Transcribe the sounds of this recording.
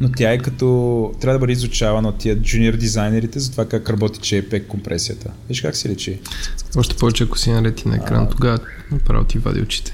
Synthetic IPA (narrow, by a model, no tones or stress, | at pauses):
not̪ʲjaɛkɐt̪ɔt̪ːɾʲavəd̪əbəd̪ɛizʊt͡ʃavɐnɐot̪ːiəd͡ʒuniɛɾd̪izajnɛɾit̪ɛzɐt̪ovakakɾɐbɔt̪i̥t͡ʃɛpɛkːompɾʔɛsijət̪ʰəid̪iʃkaksɛlɛt͡ʃiɔʃt̪ɛ̥pɔvɛt͡ʃɛɐko̥sinɐɾɛt̪inɐ̰ɛ̰kɾa̰noɡa | nɐpɾa̰vo̰t̪iva̰d̪ʲḭʊt͡ʃi̥t̪ɛ̥